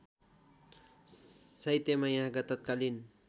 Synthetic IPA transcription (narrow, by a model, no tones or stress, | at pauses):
sʌjt̪emajãɦɡʌt̪ːʌt̪̚kalin